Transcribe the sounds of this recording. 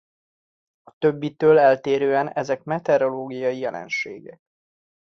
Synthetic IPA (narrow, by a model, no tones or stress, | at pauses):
ɒt̪øbːit̪øːlɛlt̪eːɾøːɛnɛzɛkmɛt̪ɛɾo̞loːɡijɒjijɛlʔɛ̰nʃḛːɡɛ̰k̚